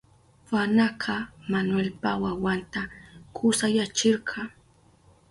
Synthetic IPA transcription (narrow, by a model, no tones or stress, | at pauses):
wanaqʰɑmanwelpawawant̪akʰʊsajat͡ʃɪɾɢʰɑ